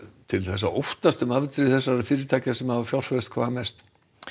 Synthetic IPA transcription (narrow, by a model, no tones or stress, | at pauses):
t̪ʰɪlθɛsːaowht̪ast̪ʏmaðt̪ɾɪθɛs̬ːaɾɾfɪːɾɪɾt̪ʰaːcasɛmhavafjawr̥fɛst̪̚kʰvaːðamɛst̪